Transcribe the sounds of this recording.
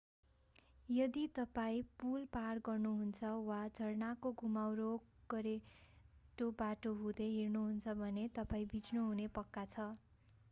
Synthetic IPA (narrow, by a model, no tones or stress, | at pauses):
jʌd̪it̪ʌpaĩpulparɡʌrnuɦunt͡sʰʌwad͡zʱʌrnakoɡʱumawɾoɡ̥ʌɾe | ʈobaʈoɦud̪eɦirnuɦunt͡sʰʌbʱʌnet̪ʌpaĩbit͡snuɦunepʌkːat͡sʰʌ